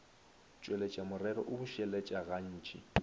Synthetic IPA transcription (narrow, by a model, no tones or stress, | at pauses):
t͡ʃʼwelet͡ʃʼamʊrɛɾɔ̰ʔʊbʊʃɛlɛt͡ʃʼaɣan̩ːt͡ʃʼi